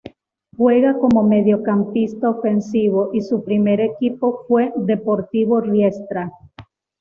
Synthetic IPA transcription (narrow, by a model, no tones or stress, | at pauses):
xwe̞ɣako̞mo̞meðjo̞kampist̪aofe̞nsiβ̞o̞ʔisupɾime̞ɾe̞kipo̞fwe̞ðe̞po̞ɾt̪iβo̞rje̞st̪ɾa